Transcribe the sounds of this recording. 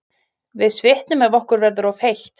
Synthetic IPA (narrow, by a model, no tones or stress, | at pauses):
vɪðsvɪht̪nʏmɛvɔhkʏɾvɛɾðʏɾawfejht̪